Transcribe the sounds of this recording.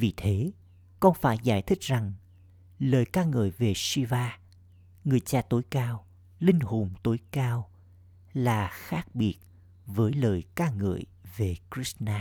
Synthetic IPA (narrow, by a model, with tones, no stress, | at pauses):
vi˨˩t̪ʰe˨˦ | kɔ˧nfaː˧˩jza̰ː˧˩jt̪ʰï˦˥k̟̚za˨˩ŋ | ləː˨˩jkaː˧ŋɨ̰˧˨jve˨˩swi˧vaː˧ | ŋɨ˨˩əjt͡ɕaː˧t̪o˨˦jkaː˧w | lï˧ŋ̟ho˨˩mt̪o˨˦jkaː˧w | laː˨˩xaː˦˥k̚ɓi˨˦˩ət̚ | vəː˨˦jləː˨˩jkaː˧ŋɨ̰˧˩˨əj | ve˨˩kɹi˦˥snaː˧